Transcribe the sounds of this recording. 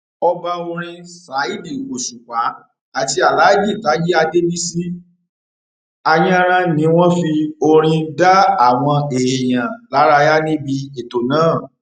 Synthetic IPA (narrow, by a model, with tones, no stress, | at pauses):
ɔ˧ba˧ũ˧ɾ̃ĩ˧sa˨˦i˦˨di˦˨o˨sũ˨k͡pa˨˦ | a˨ti˧a˨la˨˦i˦˨d͡ʒi˦˨ta˨˦ji˦a˧de˦bi˦si˦ | a˧jã˦ɾ̃ã˧nĩ˨˦w̃ɔ̃˦fi˧o˧ɾ̃ĩ˧da˦a˦˨w̃ɔ̃˧e˨e˨j̃ã˨la˨˦ɾa˧ja˦nĩ˦bi˧e˨to˨nãː˦˨